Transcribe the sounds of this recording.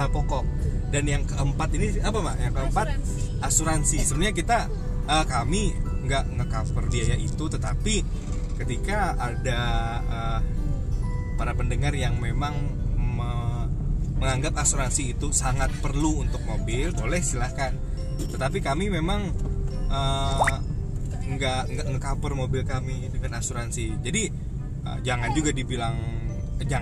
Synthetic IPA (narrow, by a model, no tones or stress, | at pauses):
apokɔʔdanjaŋkəʔəmpat̪iniapamaʔjaŋkəəmpat̪̚ | ʔasuɾansisəmɲakit̪a | ʔəkamiŋɡaʔŋəkapərbiajaʔit̪ut̪ət̪api | kət̪ikaada | ə | paɾapəndəŋarjaŋmemaŋ | mə | məŋaŋɡapasuɾansiːt̪usaŋat̪̚pərluunt̪ʊk̚mobɪlbolɛhisilahkan | t̪ət̪apikamimemaŋʔə | ŋɡaʔŋɡaʔŋkapərmobɪlkamidəŋanasuɾansid͡ʒadi | ə̰d͡ʒaŋand͡ʒuɡadibilaŋ | əd͡ʒa